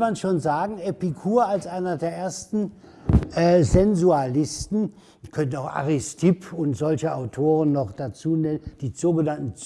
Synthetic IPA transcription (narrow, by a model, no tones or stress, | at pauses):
manʃoːnzaːɡŋ̩ɛpikʰuːɐalsʔaɪnɐdeːɐʔeːɐstn̩ | ʔɛːzɛnzualɪstn̩ | kʰœntnaʊxʔa̰ʁɪstʰɪpʰʊntz̥ɔlçəaʊtʰoːʁənːɔχd̥at͡suːnɛnənd̥iːz̥oːɡənantn̩t͡s